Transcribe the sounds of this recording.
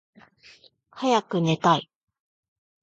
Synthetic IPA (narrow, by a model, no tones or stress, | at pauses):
hajakɯ̟ne̞t̪ai